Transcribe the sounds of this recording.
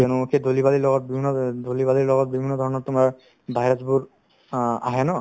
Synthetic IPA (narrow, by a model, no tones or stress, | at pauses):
ɔnukʰedʱolibalilɔɡɔt̚bibʱinːɔdʱolibalilɔɡɔt̚bibʱinːɔdʱɔɹɔnɔɹtʊmaɹ | bʱajɹazbuɹ | aɦɛnɔ